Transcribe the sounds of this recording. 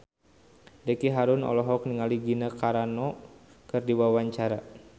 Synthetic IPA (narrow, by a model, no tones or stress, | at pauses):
dekiɦaɾʊnɔ̰lɔɦɔk̚niŋaliɡinəkaɾanɔ | kɨrdiwawaɲt͡ʃaɾa